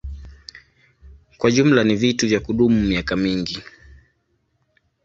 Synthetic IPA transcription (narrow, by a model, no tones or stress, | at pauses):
kwaʄum̩lanivituvjakuɗumumiakamiŋɡi